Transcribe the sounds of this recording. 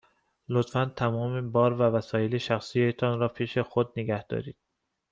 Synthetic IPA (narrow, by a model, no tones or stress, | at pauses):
lot̪fænt̪ʰæmɒːmebɒːɾvævæsɒːjeleʃæxsijet̪ʰɒːnɾɒːpʰiːʃexod̪̚neɡæhd̪̥ɒ̰ːɾiːd̪̥